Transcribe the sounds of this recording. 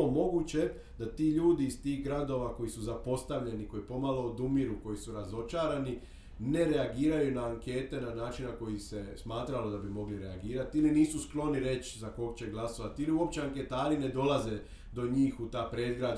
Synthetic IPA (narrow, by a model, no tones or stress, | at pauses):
omo̞ɡut͡ɕe̞ | d̪at̪iːʎuːd̪iːst̪iːɣɡɾad̪o̞ːʋako̞jisuzapo̞st̪aʋʎe̞niko̞jipo̞malo̞ːd̪umiɾuko̞jisuɾazo̞t͡ʃaːɾani | ne̞ɾeaɡiːɾajunaːŋke̞ːt̪e̞nanaːt͡ʃinako̞jise̞smaːt̪ɾalod̪abimo̞ɡliɾeaɡiːɾat̪iiliniːsusklˠo̞niɾe̞t͡ɕzako̞kt͡ɕe̞ɡlˠaso̞ʋat̪iiliuo̞p̚t͡ɕeaŋke̞t̪aːɾine̞d̪o̞lˠaze̞ | d̪o̞ɲiːxut̪aːpɾed̪ɡɾad̪